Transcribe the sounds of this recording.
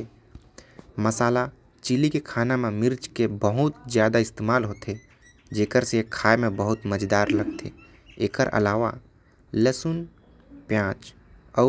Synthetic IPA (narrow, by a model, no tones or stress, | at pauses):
məsaːla | t͡ʃilikekʰaːnamẽmɪɾt͡ʃkebəɦʊt̪zjaːd̪aɪst̪eːmaːlɦot̪ʰe | d͡ʒeːkəɾsekʰːaːemẽbəɦʊt̪məd͡ʒd̪aːɾləɡt̪ʰḛ | eːkəɾʔə̰laːʋa̰ | ləsʊn | pjãːt͡ʃ | ɔː